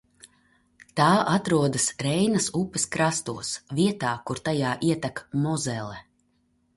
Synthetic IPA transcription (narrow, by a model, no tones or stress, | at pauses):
t̪aːʔat̪ɾuɔd̪ɐsɾɛjnɐsupːɛskɾast̪uɔsviɛt̪aːkuɾt̪ajaːʔiɛt̪akmɔzɛlˠɛ